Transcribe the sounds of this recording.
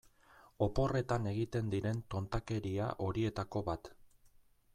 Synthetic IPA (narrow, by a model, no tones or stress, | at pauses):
o̞po̞re̞t̪ane̞ɣ̞it̪e̞nd̪iɾe̞nt̪o̞nt̪ake̞ɾia̰ʔo̞ɾie̞t̪ako̞βat̪